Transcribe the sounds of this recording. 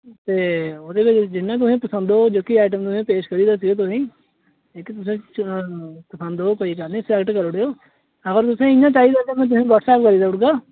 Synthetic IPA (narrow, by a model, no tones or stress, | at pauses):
t̪eːoːd̪eːʋɪt͡ʃd͡ʒɪnːãːt̪ʊsĩːpəsənd̪oːd͡ʒoːkiːaːʈ̬əmt̪ʊsĩːpeːʃkəɾiːd̪aːs̬ɪɡeːt̪̬ʊsĩː | eːkit̪ʊs̬ẽː | pəsə̃nd̪oːkoːiːkəɾnĩːsɛɡʈkəɾoɽeːoː | əɡəɾt̪ʊsẽːɪjãːt͡ʃaːiːd̪aːt̪emɛ̃ːt̪ʊsĩːʋɔːʈsɛːpkəɾiːd̪aːʊʈɡaː